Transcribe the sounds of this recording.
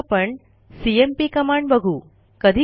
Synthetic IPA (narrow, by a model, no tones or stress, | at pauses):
pəɳ | siempikəmaɳɖbəɡʱu | kəd̪ʱi